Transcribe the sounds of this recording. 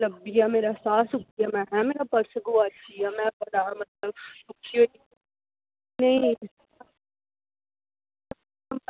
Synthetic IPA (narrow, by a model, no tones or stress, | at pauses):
lɐbːiameːɾasaːsʊkiamɛ̃ɦɛ̃meːɾapɐɾsəɡoaijamɛ̃bɐnaːɾmɐt̪̚ləbʊkʰio | nɐĩ